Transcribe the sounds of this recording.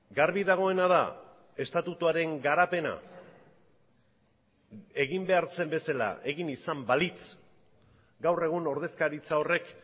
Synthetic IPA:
ɡaɾβiðaɣ̞o̞e̞nað̞a | e̞st̪at̪ut̪uaɾe̞ŋɡaɾape̞na̰ | e̞ɣimbe̞aɾt͡se̞mbe̞sala̰ʔe̞ɣinisambalit͡s | ɡawre̞ɣ̞uno̞ɾð̞e̞skaɾit͡sao̞re̞k

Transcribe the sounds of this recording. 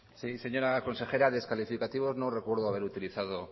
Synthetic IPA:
sise̞ɲo̞ɾako̞nse̞xe̞ɾaðeskalifikat̪iβ̞o̞znore̞kwe̞ɾðoaβe̞ɾut̪iliθað̞o

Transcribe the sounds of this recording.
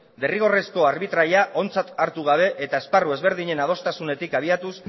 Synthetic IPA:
d̪e̞riɣ̞o̞resko̞aɾβit̪ɾaʎiaʔo̞nt͡sat̪aɾt̪uɣ̞aβ̞e̞ʔet̪ae̞sparue̞zβe̞ɾðiɲe̞nað̞o̞st̪asune̞t̪ikaβ̞iat̪us

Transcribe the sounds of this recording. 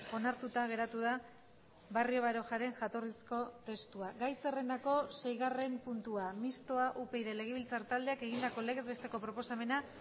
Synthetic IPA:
o̞naɾt̪ut̪aɣ̞e̞ɾat̪uða | βario̞βaɾo̞ʝaɾe̞ŋʝat̪o̞risko̞t̪e̞st̪uaɡajse̞re̞nd̪ako̞se̞jɣare̞mpunt̪uamist̪o̞aʔupe̞jðe̞le̞ɣe̞βilt͡saɾt̪ald̪e̞ake̞ɣ̞ind̪ako̞le̞ɣe̞zβe̞st̪e̞ko̞pɾo̞po̞same̞na

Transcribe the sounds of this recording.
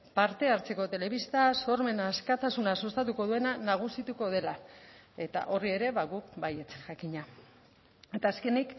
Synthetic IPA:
paɾt̪e̞aɾt͡se̞ko̞t̪e̞le̞βist̪aso̞ɾme̞naːskat̪asunasost̪at̪uko̞ðue̞nanaɣ̞usit̪uko̞ð̞e̞lae̞t̪a̰ʔo̞rie̞ɾe̞βaɣukbaje̞t͡sʝakiɲa | e̞t̪aːske̞nik

